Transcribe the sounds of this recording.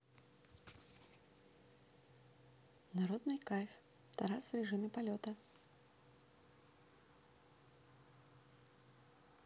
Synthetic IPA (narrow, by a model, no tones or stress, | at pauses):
nɐɾod̪nɨjkajfʲ | t̪ɐɾasvɾʲɪʐɨmʲɪpɐlʲot̪ə